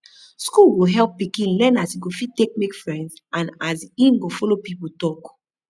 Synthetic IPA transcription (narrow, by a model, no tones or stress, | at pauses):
skulɡoɦɛlpːikĩnlɛ̃nasiɡofitek̚mekfɹɛ̃ndzãnazĩnɡofɔlopipul̩tɔk